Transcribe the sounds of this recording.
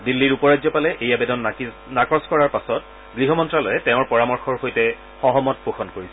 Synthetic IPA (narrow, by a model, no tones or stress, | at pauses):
dilːiɹupɔɹazɔpalɛʔejabɛdɔn | nakɔskɔɹaɹpasɔt̚ | ɡɹiɦɔmɔntɹalɔjɛtɛʊ̃ɹpɔɹamɔɹxɔɹhojtɛ | xɔɦɔmɔt̚poxʰɔnkoɹisɛ